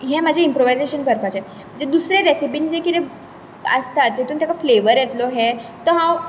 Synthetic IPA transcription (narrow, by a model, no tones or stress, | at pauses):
ɦɛ̃məd͡ʑʱeimpɾoʋajzeɕənkəɾpat͡ɕɛ̃ | d͡ʑed̪usɾeɾesip̬ind͡ʑekiɾe | ə̰st̪at̪ɦet̪uːnt̪jakafleʋəɾjɛt̪lɔɦɛt̪əɦã